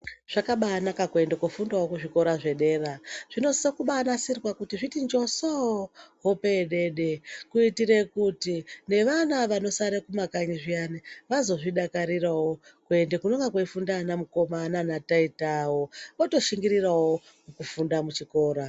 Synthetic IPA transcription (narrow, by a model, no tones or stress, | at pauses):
ʐ̥akaɓaːnakakue̞ndekufundawokuʐiko̞ɾaʐe̞ɗe̞ːraʐ̥ino̞sokuɓanasirwakutiʐitind͡ʒo̞sooɦopeɗe̞ɗe̞kuitire̞kutine̞ʋanaʋano̞saɾekumakaɲiʐianeʋazo̞ʐiɗakaɾirawokue̞ndekunoŋɡakweifundanamuko̞mananataitawooto̞ʃiŋɡiɾirawo | mukufundamut͡ʃiko̞ːɾa